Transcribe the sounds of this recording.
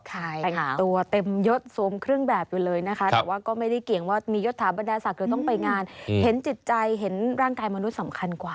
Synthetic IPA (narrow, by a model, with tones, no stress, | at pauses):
kʰa˥˩˧ja˨˩˦t̪u˧ɐt̪e˧mjo˦˥t̪̚su˨˩˦əmkʰɾɯ˥˩əŋbɛː˨˩p̚juː˨˩lɤː˧jna˦˥kʰa˦˥t̪ɛ˧˨˩waː˥˩kɔː˥˩ma˥˩jda˥˩jki˨˩əŋwaː˥˩miː˧jo˦˥t̪ʰːaː˩˦ba˧ndaː˧sa˨˩k̚ɾɯː˧˦t̪ɔ˥˩ŋpa˧jŋaː˧nhe˨˩˦nt͡ɕi˨˩t̪̚t͡ɕa˧jɦe˩˦nɾaː˥˩ŋkaː˧jma˧nu˦˥t̪̚sa˩˦mkʰa˧nkwaː˨˩